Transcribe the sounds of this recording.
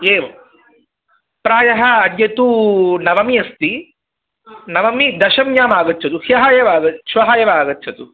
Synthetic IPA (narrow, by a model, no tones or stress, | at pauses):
eːʋ | pɾaːjɐɦɐːd̪jɐt̪unɐʋɐmijɐst̪i | nɐʋɐmid̪ɐʃɐmjaːmaːɡɐt̪ːt͡ʃʰɐt̪uhjɐɦaːjɐʋaːɡɐʃʋɐɦaːjɐʋaːɡɐtːt͡ʃʰɐt̪u